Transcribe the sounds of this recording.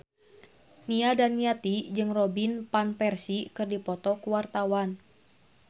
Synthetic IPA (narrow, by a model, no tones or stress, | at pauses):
niadanːiat̪id͡ʒɨŋrɔbinpanpɛrsikɨrdipɔt̪ɔkuwart̪awan